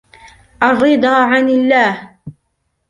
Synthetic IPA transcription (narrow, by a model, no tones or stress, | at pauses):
ʔɑrˤɨd̪ˤɑːʕanalːaːh